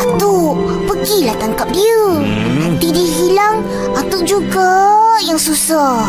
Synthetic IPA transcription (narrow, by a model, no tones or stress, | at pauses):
at̪u | pəɡilaht̪aŋkap̚diə | t̪idiʔɦilaŋ | at̪uʔd͡ʒuɡajaŋsusa